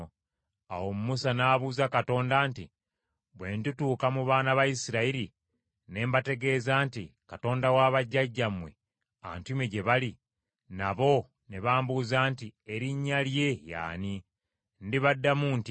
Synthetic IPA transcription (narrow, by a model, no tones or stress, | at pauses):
a̰wo̞mumusanaːβuːzakato̞ːndaːnti | βwe̞ːntutuːkamuβaːnaβajisiɾaiɾi | ne̞ːmbate̞ɡe̞ːzaːntikato̞ːndawaːβaɟːaɟːamwe̞̰ | a̰ntuimeɟe̞βali | naβo̞ | neβaːmbuzaːntieɾiɲːalje̞ja̰ːni | ndiβadːamuːnti